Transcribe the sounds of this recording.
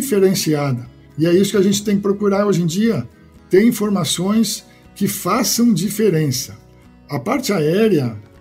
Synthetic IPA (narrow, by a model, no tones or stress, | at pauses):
ifeɾẽsiad̪ɐ | ɪɛisʊ̥kɪaʒẽnt͡ʃɪt̪ẽj̃kɪpɾokuɾaɾoʒẽd͡ʒiɐ | t̪eɾĩfoɾmasõj̃s | kɪfasɐ̃w̃d͡ʒifeɾẽsɐ | ɐpaɾt͡ʃɪaɛɾjɐ